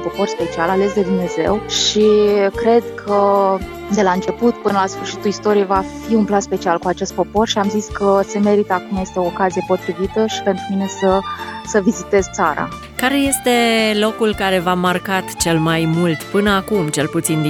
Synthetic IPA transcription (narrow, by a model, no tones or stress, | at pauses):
po̞po̞rspe̞t͡ʃialale̞s̬d̪e̞d̪umne̞ze̞̰wʃikɾe̞d̪kʰə | d̪e̞laɨnt͡ʃe̞put̪pɨnəlasfɨrʃit̪ulist̪o̞ɾievafiunplanspe̞t͡ʃialkuat͡ʃe̞st̪̚po̞po̞rʃiamziskəse̞me̞ɾit̪əakumje̞st̪e̞o̞ːkazije̞po̞t̪ɾivit̪əʃi̥pe̞nt̪ɾumine̞səsəvizit̪e̞zt̪saɾa̰ | kaɾe̞je̞st̪e̞lo̞kulkaɾe̞vamarkat̪t͡ʃe̞lmajmult̪pɨnəakumt͡ʃe̞lput̪sind̪